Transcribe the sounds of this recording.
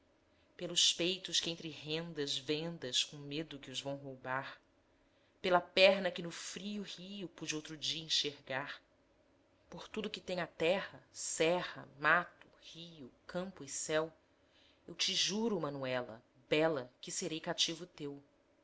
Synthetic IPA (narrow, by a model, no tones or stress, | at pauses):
pelʊspejt̪ʊʃkɪẽnt̪ɾɪɦẽnd̪ɐzvẽnd̪ɐʃkõmed̪ʊkɪʊzvɐ̃w̃ɦowbaɾ | pelɐpɛɦnɐkɪnʊfɾiʊhijʊpud͡ʒɪowt̪ɾʊd͡ʒiɐẽʃeɾɡaɾ | poɾt̪ud̪ʊkɪt̪ẽɲ̃ɐt̪ɛhɐsɛhɐ̰mat̪ʊ̥hijʊkʰɐ̃mpʊɪsɛw | ewt͡ʃɪʒuɾʊmɐ̃nuɛlɐ̰ | bɛlɐkɪseɾejkat͡ʃivʊt̪ew